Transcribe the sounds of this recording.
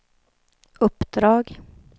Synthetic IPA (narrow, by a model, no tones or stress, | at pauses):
ɵpːd̪ɾɑːɡ